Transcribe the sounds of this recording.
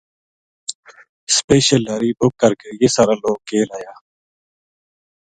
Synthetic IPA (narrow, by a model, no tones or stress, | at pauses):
speːʃəlːaːɾiːbʊkːəɾkeːjeːsaːɾaːloːɡ̚keːlaːjaː